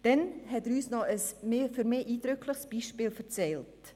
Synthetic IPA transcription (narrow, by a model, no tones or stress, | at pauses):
d̥ɛnhɛtɾyːsnɔʔəsmføɾmeːʔiːdɾʏkʰləχsb̥iːʃpeːlfət͡sɛlt